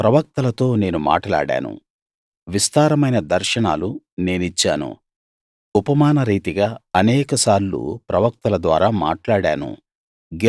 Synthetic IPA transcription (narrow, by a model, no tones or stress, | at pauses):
pɾɐʋɐk̚t̪ɐlɐt̪o̞ːne̞ːnuma̰ːʈɐla̰ːɽa̰ːnṵ | ʋist̪aːɾɐmɐjnɐd̪ɐɾʃɐɳaːlu | ne̞ːnit͡ʃːaːnṵ | upɐmaːnɐɾiːt̪iɡaːɐnɛːkɐsaːɾlṵːpɾɐʋɐk̚t̪ɐlɐd̪ʋaːɾaːma̰ːʈlaːɽa̰ːnṵ | ɡ